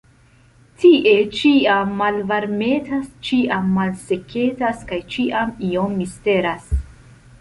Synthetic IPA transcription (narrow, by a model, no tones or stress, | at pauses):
tiʔe̞t͡ʃiamːalvaɾme̞tast͡ʃiʔamːalse̞kʰe̞taskajt͡ʃiʔamio̞mːiste̞ɾas